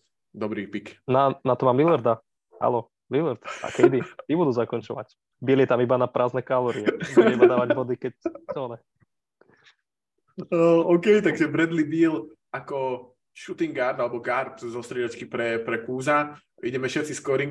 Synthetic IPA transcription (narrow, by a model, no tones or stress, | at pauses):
d̪ɔbɾipiknanat̪ɔmaːmilɛɾd̪a | ha̰lɔ | milɛɾt̪a̰kɛjd̪it̪ibud̪uːzakɔnt͡ʃɔʋa̰c | biːljɛt̪amibanapɾʔaːznɛkalɔːɾiɛbuɛibad̪aːʋaɟbɔd̪ikɛczɔːnɛ | əɔkɛjt̪aɡʒɛbɾɛd̪libiːl | akɔ | ʃut̪iŋɡaɾd̪alɛbɔɡaɾt̪zɔst̪ɾɛdɔt͡ʃkipɾɛpɾɛkuːza | iɟɛmɛʃɛt̪t͡siskɔɾiŋ